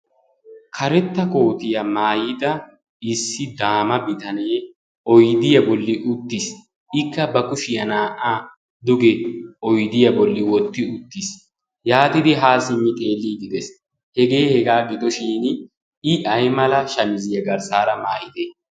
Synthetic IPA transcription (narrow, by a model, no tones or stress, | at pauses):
kʰɐɾɛt̪ːɐko̞ːt̪ɪjɐmaːjɪd̪ɐ | ɪsːɪd̪aːmɐbɪt̪ɐne̞ː | ɔjd̪ɪjɐbɔlːɪʊt̪ːɪs | ɪkːɐbɐkʊʃɪjɐnaːʔaː | d̪ʊɡɛʔɔjd̪ɪjɐbɔlːɪwɔt̪ːɪʊt̪ːis | jaːt̪ɪd̪ɪɦaːsɪmːɪt̪ʼe̞ːlːiːɡ̪ɪd̪ɛs | hɛɡe̞ːhɛɡaːɡɪd̪ɔʃiːn | ɪʔɐjmɐlɐʃɐmɪzɪjɐɡɐɾsaːɾɐmaːjɪd̪e